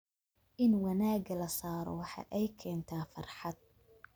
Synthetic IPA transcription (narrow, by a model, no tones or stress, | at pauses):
ʔɪnwɑnaːɡɐlɐsaːɾɔ̰wɑħɑ̰ʔɛjkʰɛːnt̪ʰaːfɑ̰rħɑd̪̚